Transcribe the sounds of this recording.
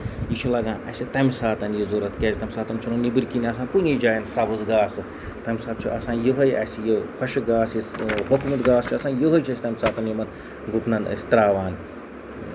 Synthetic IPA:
jit͡ʃʰulɐɡãːnɐ̰sʲit̪ɐmʲisaːt̪ɐnjizoːɾɐt̪kʲeːzʲit̪ɐmʲsaːt̪ɐmʲt͡ʃʰunonibɨɾʲkinʲiɐs̬ãːnkunid͡ʒaːjɐnsɐbɨzɡaːsɨ | t̪ɐmʲsaːt̪̚t͡ʃʰuʔɐsãːnjoɦɐjʔɐ̰sijokʰɐʃiɡaːsiɦokumɨt̪ɡaːst͡ʃʰuɐsaːjoɦɐjt͡ʃʰɐsʲi̥t̪ɐmʲsaːt̪ɐnjimɐn | ɡut̪nɐnɐ̰sʲi̥t̪ɾaːʋaːn

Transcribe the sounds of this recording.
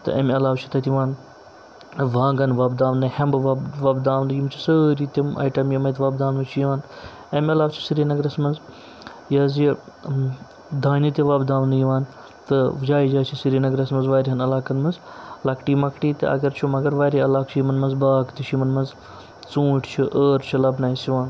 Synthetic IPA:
t̪ɨ̰ʔɐmʲɐlaːwt͡ʃʰi̥t̪ɐt̪iʋaːn | ʋãːŋɡɐnʋɐbd̪aːʋnɨhɐmbʋʋɐbd̪aːʋnd̪ɨjimt͡ʃʰi̥səːɾit̪ʲimɐ̰jʈɐmjɐmɐjt̪ʋɐːbd̪aːwnʋɐt͡ʃʰijiʋaːn | ɐmɐlaːwt͡ʃʰi̥siɾiːnɐɡɾɐsmɐnz | jaːzi | d̪aːnit̪ʲiʋɐbd̪aːʋnd̪ɨjiʋaːn | t̪ɨd͡ʒaːid͡ʒaːt͡ʃʰisiɾinɐɡɾɐsmɐnzʋaːɾiɐnɐlaːkɐnmɐnzlɐkʈiːmɐkʈiːt̪ɨɐ̰ɡɐɾt͡ʃʰumɐɡɐɾʋaːɾʲiɐlaːkt͡ʃʰimɐnmɐnzbaːkt̪iʃimɐnmɐnz | t͡sũːʈʰt͡ʃʰiʔəːɾt͡ʃʰilɐbnaːisiʋaːn

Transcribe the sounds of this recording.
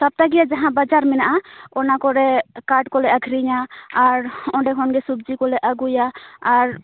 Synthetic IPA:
t̪ab̚t̪aɡijad͡ʒaɦãbad͡ʒaɾmɛnaʔaɔnakɔɾɛkaɖkɔlɛaɡʰʱɾiɲaːɾɔɖɛkʰɔnɡɛsub̚d͡ʒikɔlɛʔaɡujaːɾ

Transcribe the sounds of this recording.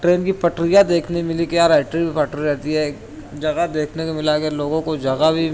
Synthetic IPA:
ʈɾeːnkipɐʈɾɪjad̪eːkʰnemɪlikiaːɾaːʈɾibʱipɐʈɾiɾɛɦt̪iɦɛː | d͡ʒɐɡad̪eːkʰnekomɪlakeloːɡõkod͡ʒɐɡabʱi

